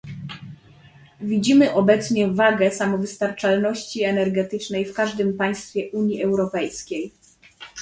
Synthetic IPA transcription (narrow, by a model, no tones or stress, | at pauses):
vʲid͡ʑimɘʔɔbɛt̪sɲɛvaɡɛsamɔvɘst̪aɾt͡ʂalnɔɕt͡ɕiɛnɛɾɡɛt̪ɘt͡ʂnɛjfkaʐd̪ɘmpaj̃st̪fʲjɛʔuɲjiʔɛwɾɔpɛjskʲej